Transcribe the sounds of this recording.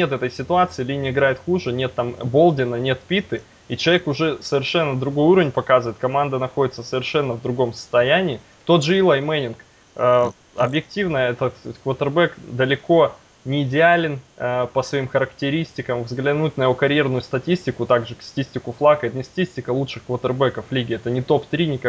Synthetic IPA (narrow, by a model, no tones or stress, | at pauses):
nʲet̪ɛt̪əjsʲɪt̪ʊat̪sɨɪlʲinʲɪəɪɡɾajɪt̪xuʐɨnʲet̪ːambo̞lˠdʲɪnənʲe̞t̪pʲit̪ɨ | it͡ɕɪlˠɐekʊʐɛsəvʲɪrʂɛnːəd̪ɾʊɡo̞juɾəvʲɪnʲpɐkazɨvəɪt̪kɐmand̪ənɐxo̞dʲɪt̪səsəvʲɪrʂɛnːəvd̪ɾʊɡo̞msə̥st̪ɐjænʲɪː | t̪o̞t̪ʐɨilˠajmɛnʲɪnk | ə | ɐbjɪk̚tʲivnəjəɛt̪ət̪kvət̪ɨrbɛkd̪əlʲɪko̞ | nʲɪːdʲɪalʲɪnpəsvɐimxəɾəktʲɪɾʲisʲtʲɪkəmvzɡlʲɪnutʲnəjɪvo̞kɐɾʲjernʊjʊst̪ɐtʲisʲtʲɪkʊt̪aɡʐɨkst̪ɐ̥tʲisʲtʲɪkʊflˠakəɪt̪nʲɪst̪ɐ̥tʲisʲtʲɪkəlˠutʂɨxkvət̪ɨrbɛkəflʲiɡʲɪɛt̪ənʲɪt̪o̞pt̪ɾʲinʲɪk